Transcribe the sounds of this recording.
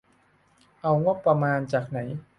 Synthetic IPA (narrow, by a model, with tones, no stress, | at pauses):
ʔa˧wŋo˦˥˩pːɾa˧maː˧nt͡ɕaː˨˩k̚na˩˦j